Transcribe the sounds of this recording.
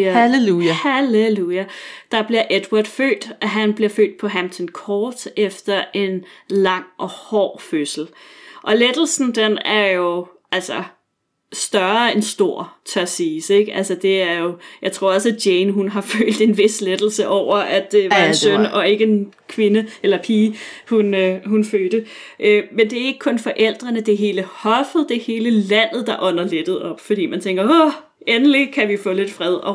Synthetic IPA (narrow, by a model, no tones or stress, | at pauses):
uhæleluæd̥ɑ̈b̥liɐʔed̥wɑd̥fø̰ːd̥ʔæɦænb̥liɐfø̰ːd̥̚pʰɒ̽ɦæmt͡sʰɒnkʰɒːd̥efd̥ɐʔe̝nlɑ̈ŋ̰ʔɒ̽hɒ̰ːføsl̩ʔɒ̽led̥l̩sn̩d̥enæɐjo̝ʔʔælsɐ | sd̥ɶɐensd̥o̝ɐ̰t͡sʰæɐsiːseɡ̥ælsɐd̥e̝æɐjo̝jɑɪt͡sʰʁo̝ɐ̰ɒ̽sæ̥jeɪnɦunɦɑ̈fø̰ːld̥e̝nʋe̝sled̥l̩səʔɒʊ̰ɐʔæd̥eʋɑ̈ensœnɒ̽e̝ɡ̥əen | kʰʋe̝nəelɐpʰiː | hunøɦunføːd̥ə | ʔømend̥e̝æɐe̝ɡ̥ə̥kʰɔ̽nfɒ̽ʔel̰d̥ʁɐnəd̥eɦe̝ːləhɒ̽fð̩ˠd̥e̝he̝ːləlæn̰ð̩ˠd̥ɑ̈ʔɒ̽nɐled̥ð̞̩ˠɒ̽b̥fɒd̥ḭːmænt͡sʰeŋɡ̥ɐo | enəlikʰæʋifɔ̰ːle̝d̥fʁɛð̞ˠɒ̽